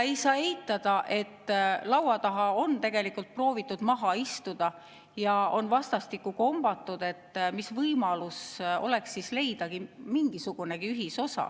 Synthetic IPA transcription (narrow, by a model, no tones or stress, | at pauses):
e̞jsɑːejt̪ːˑɑd̪̥ɑʔe̞t̪ːlɑwɑt̪ɑɦɑo̞nt̪e̞ɡ̥e̞likult̪̚pro̞ːvit̪ːˑud̪̥mɑɦɑist̪ud̪̥ɑ | jɑo̞nvɑst̪ɑst̪ikːˑuko̞mb̥ɑt̪ːˑud̪̥e̞t̪ːmisvɤjmɑluso̞̰le̞ksːisle̞jd̪̥ɑɡimiŋɡ̥isuɡ̥une̞ɡ̥iyɦiso̞sɑ̰